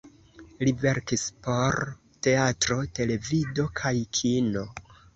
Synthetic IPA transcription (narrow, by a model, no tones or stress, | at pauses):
live̞ɾkispo̞ɾ | te̞atɾo̞te̞le̞vido̞kʰajkʰino̞